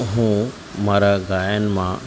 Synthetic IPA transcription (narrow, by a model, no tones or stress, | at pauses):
ɦũː | maːɾaɡaːjənmã